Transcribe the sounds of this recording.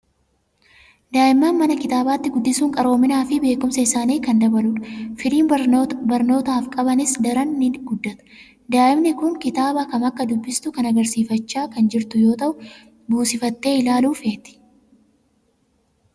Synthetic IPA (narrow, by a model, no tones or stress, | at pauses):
d̪aːʔɪmːaːnmɐnɐkɪt̪aːbaːt̪ːɪɡʊd̪ːɪsuːŋkʼɐɾo̞ːmɪnaːfɪbe̞ːkʊmsɐɪsaːniːkɐnd̪ɐbɐlʊᶑfɪliːnbɐɾno̞ːt̪aːfkʼɐbɐnɪsd̪ɐɾɐnːɪɡʊd̪ːɐt̪ɐ̥ | d̪aːʔɪmnɪkʊŋkɪt̪aːbɐkɐmɐkːɐd̪ʊbːɪst̪ʊkɐnɐɡɐɾsiːfɐt͡ʃːaːkɐnd͡ʒɪɾt̪ʊjo̞ːt̪ɐʔʊ | buːsɪfɐt̪ːe̞ːɪlaːluːfeːt̪ɪ̥